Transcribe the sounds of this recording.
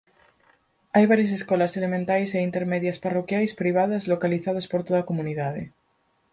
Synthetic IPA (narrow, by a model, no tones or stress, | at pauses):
ajβaɾjas̬eskolaselemẽnt̪ajseint̪eɾmeðjasparokjajspɾiβ̞aðazlokaliθaðospoɾt̪oðakomuniðaðe